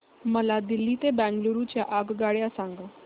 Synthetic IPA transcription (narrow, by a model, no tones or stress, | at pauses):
məlad̪ilːit̪ebæ̃ŋɡluɾut͡ɕjaʔaɡɡaɭjasaŋɡə